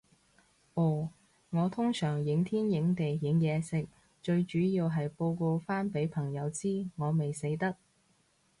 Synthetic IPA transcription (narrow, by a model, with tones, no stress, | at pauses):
ʔɔː˨˩ | ŋɔː˨˧t̪ʰʊ˥ŋsœː˨˩ŋjɪ˨˥ŋt̪ʰiː˥njɪ˨˥ŋt̪e˨jjɪ˨˥ŋjɛː˨˧sɪ˨k̚ | t͡ʃɵ˧ɥt͡ʃyː˨˥jiː˧wɦɐ˨jpo˧wko˧wfaː˥npe˨˥jpʰɐ˨˩ŋjɐ˨˧wt͡siː˥ŋɔː˨˧me˨˩jse˨˥jt̪ɐ˥k̚